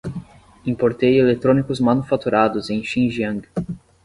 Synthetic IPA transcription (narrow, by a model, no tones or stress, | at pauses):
ĩpoɾt̪ejelet̪ɾõnikʊzmanufat̪uɾad̪ʊzẽj̃ʃĩʒiɐ̃ŋɡ